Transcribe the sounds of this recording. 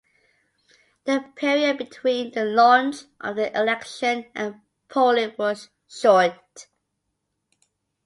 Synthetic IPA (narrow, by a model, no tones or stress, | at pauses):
ðəpʰɛɹiəd̚bɪtʰw̥ĩnðəlɔ̃nt͡ʃʔə̰vðiʔɪlɛkʃə̃nʔə̃n | pʰoʊliwʌz̥ | ʃɔnt